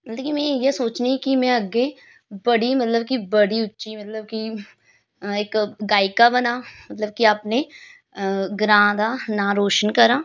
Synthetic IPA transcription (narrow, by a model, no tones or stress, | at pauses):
mɐt̪lkimɛ̃ːjesoːt͡ʃnekimɛ̃əɡe | bəɽimɐt̪ləbkibəɽiʊtːʃimɐt̪ləb̚ki | eːkɡaːɪkabənaːmɐt̪ləb̚kiaːpne | ɡɾãːd̪anaːɾoːʃənkəɾaː